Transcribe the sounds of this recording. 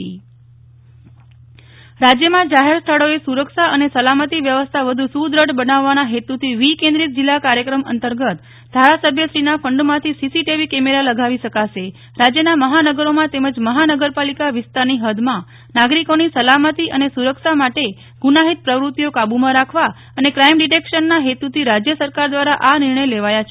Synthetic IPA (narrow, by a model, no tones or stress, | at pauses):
i | ɾad͡ʒjəmãd͡ʒaɦeɾst̪ʰəɭoesuɾəkʃaənesəlamət̪iʋjəʋəst̪ʰaʋəd̪ʱusud̪ɾəɽbənaʋːanaɦet̪ut̪ʰiʋikẽnd̪ɾit̪̚d͡ʒilːakaɾjəkɾəmə̰nt̪əɾɡət̪ | d̪ʱaɾasəbʱjəʃɾinafəɳɖmãt̪ʰisisiʈiʋikɛmeɾaləɡʱaʋiʃəkaʃe | ɾad͡ʒjənaməɦanəɡəɾomãt̪eməd͡ʒməɦanəɡəɾpalikaʋɪst̪aɾniɦəd̪ʱmã | naɡɾikonisəlamət̪iʔənesuɾəkʃamaʈe | ɡ̥unaɦit̪̚pɾəʋɾut̪ijokabumãɾakʰʋa | ənekɾaimɖiʈekʃənːaɦet̪ut̪ʰiɾad͡ʒjəsəɾkaɾd̪ʋaɾaʔanɪɾɳəjleʋajat͡ʃʰe